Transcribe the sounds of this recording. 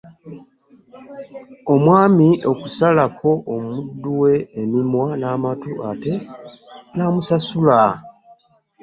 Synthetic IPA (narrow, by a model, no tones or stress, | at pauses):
o̞mwaːmiʔo̞kusalakʰo̞ʔomudːuwe̞ːnimwanaːmatuate̞ | namusasula